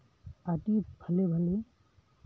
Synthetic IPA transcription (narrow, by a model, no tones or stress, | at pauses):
aʈibʱəlebʱəle